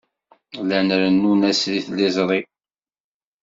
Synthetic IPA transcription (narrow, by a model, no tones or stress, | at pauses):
lænɾənːunæsɾiθlɪzˤɾˤi